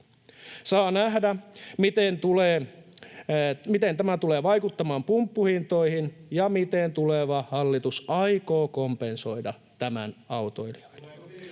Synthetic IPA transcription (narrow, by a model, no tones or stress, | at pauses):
sɑːnæhdæmit̪ent̪uleː | mit̪ent̪æmæt̪uleːʋɑikut̪ːɑmɑːmpumpːuhint̪oihinjɑmit̪ent̪uleʋɑhɑlːit̪usɑikoːkompenso̞idɑ | t̪æmæ̰nɑut̪oiliɑ̥il̥e